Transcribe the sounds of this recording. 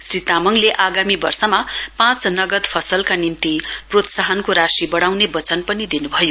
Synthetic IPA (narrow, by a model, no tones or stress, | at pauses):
srit̪amʌŋleʔaɡamibʌrsʌmapãt͡snʌɡʌd̪pʰʌsʌlkanimt̪iprot̪saɦʌnkoɾasibʌɽ̃awnebʌt͡sʌnpʌnid̪inubʱʌjo